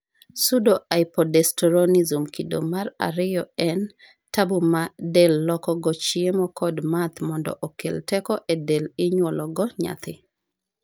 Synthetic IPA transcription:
sudoʔaɪpɔdɛstɔɾɔnizumkido̰mara̰ɾɪjɔɛn | tabumadelːɔkɔɡɔt͡ʃiemɔkʰɔdmat̪mɔndɔ̰ʔokeltɛkɔʔedelɪɲwɔlɔɡɔɲa̰t̪ʰɪ

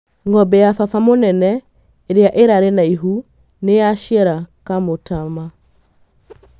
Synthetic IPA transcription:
ŋɡɔbɛjafafamonɛnɛ | eɾeaʔeɾaɾenaiɦu | nejaʃjɛɾakamotama

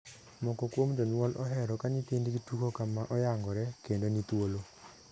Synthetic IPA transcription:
mɔkɔkwomd͡ʒɔnwɔlʔɔɦɛɾɔkaɲit̪indɡitukokamaʔɔjaŋɡɔɾɛkendonit̪wolo

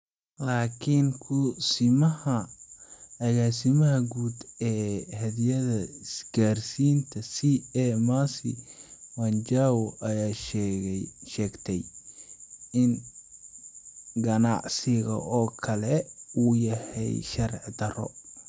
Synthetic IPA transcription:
laːkʰɪnkʰʊsɪmɐhɐ | ɐɣaːsɪmɐɦɐɡuːd̪ɛːhɐðjɐðɐsɡ̥aːrsiːnt̪ʰɐsiɛmasɪ̰wɐnt͡ʃaːwʊʔɐjaːʃɛʃɛːɡt̪ʰɛj | ɪn | ɡɐnɑ̰ʕsɪɣɐ̰ʔɔːkʰɐlɛuːjɐhɛ̰jʃɐɾ̰ʕd̪ɐrɔ̰

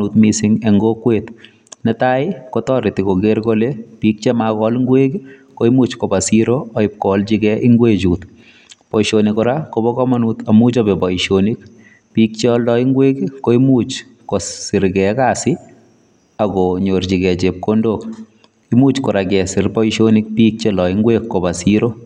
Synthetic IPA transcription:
utmisɪŋeŋɡokweːt̪ | nɛtajkotɔɾɪtikoɡeɾkolepiːk̚t͡ʃɛmakɔlŋɡweːkikoimuːt͡ʃkobasiɾoaɪp̚kɔlt͡ʃikɛʔiŋɡwet͡ʃuːt̪ | pɔjʃonikɔɾakobɔkɔmanut̪amut͡ʃɔbɛpɔiʃonik | pik̚t͡ʃɛɔldɔiŋɡwekikoimut͡ʃ | kossɪɾɡɛkasɪ | aɡɔɲort͡ʃiɡɛt͡ʃep̚kondok | imut͡ʃkɔɾakɛsɪrpɔiʃonik̚pik̚t͡ʃelɔiŋɡwekːobasiɾo

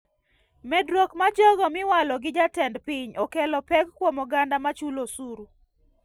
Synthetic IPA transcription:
mɛdwokmad͡ʒɔɡɔmɪwalɔɡɪd͡ʒatɛndpiɲɔkɛlɔpɛkkːwɔmɔɡandamat͡ʃulosuɾu

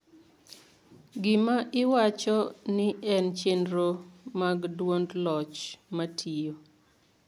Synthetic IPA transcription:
ɡɪmaʔɪwat͡ʃɔnɪɛnt͡ʃendɾomaɡdwondlɔt͡ʃmatʰijo

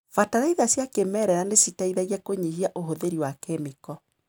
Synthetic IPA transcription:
fataɾaiðasjakemɛɾɛɾanesitaiðaɣiɛkoɲihiaʔoɦoðeɾiwakemikɔ

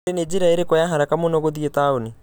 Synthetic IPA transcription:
ɾened͡ʒiɾaeɾekɔjaɦaɾakamonɔɣoðietaoni

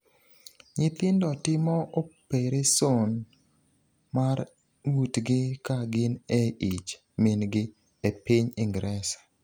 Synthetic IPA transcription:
ɲɪt̪ɪndɔtɪmɔopeɾeson | maɾ | wutɡɪkaɡɪneit͡ʃ | minɡɪ | epiɲɪŋɡɾɛsḁ

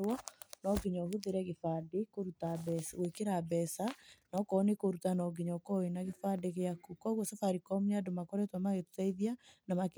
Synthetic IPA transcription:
wɔnɔɡeɲɔhuðeɾɛɣefadekoɾutabɛswekeɾabɛsanɔkɔnekoɾutanɔɡiɲɔkɔenaɣefadeɣeakukɔɣwɔsafaɾikɔmadomakɔɾɛtwamaɣetu̥taiðianamak

